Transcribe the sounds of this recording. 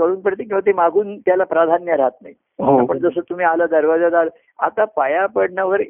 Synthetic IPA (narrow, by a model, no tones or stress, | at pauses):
kəɽuːnpɾət̪ikĩw̃ʋat̪emaɡʱuːnt̪jalapɾad̪ʱanjəɾaɦat̪naɦi | ɦoapəɳd͡zəsət̪um̤iːalad̪əɾʋad͡zad͡z̪al | a̰t̪apajapəɽɳaʋəɾ